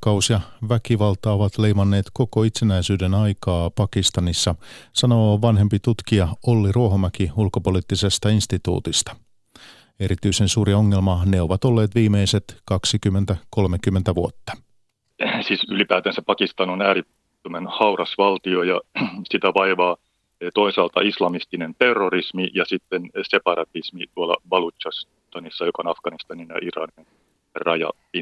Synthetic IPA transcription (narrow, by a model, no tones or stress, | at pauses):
kɑusjɑʋækiʋɑlt̪ɑoʋɑt̪le̞jmɑnːe̞ːt̪ko̞ko̞it̪senæisyːdenɑjkɑːpɑkist̪ɑnisːɑsɑno̞ːʋɑnɦe̞mpit̪ut̪kiɑolːiruoɦomækiulkopo̞lit̪ːise̞st̪ɑinst̪it̪ṵːt̪ist̪ɑ̥ | e̞ɾit̪yisensuːɾio̞ŋːe̞lmɑneo̞ʋɑt̪o̞lːe̞ːt̪ʋiːmeiset̪kɑksikymːent̪æko̞lmekymːent̪æʋuot̪ːɑ̥ | siːsylipæːt̪ænsæpɑkist̪ɑnonæːɾi | ømenhɑwrɑsʋɑlt̪iojɑsit̪æʋɑiʋɑː | t̪oisɑːlt̪ɑ̰islɑmist̪inent̪erːorismijɑsit̪ːensepɑɾɑt̪ismit̪uɑlːɑ̰ʋɑlut͡ʃɑs | t̪ɑnisːɑjokɑonɑfɡ̥ɑnist̪ɑninjɑ̰ʔirɑ̰nin | rɑjɑ̰ | i